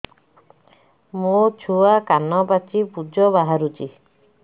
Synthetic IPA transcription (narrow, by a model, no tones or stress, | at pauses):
mut͡ʃʰuakanɔpat͡ʃipud͡ʒɔbaɦaɾut͡ʃi